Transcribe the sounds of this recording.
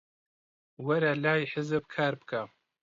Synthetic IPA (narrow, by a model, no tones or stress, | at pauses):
wɐɾalaːjħəzɨb̚kʰaːɾbkʰa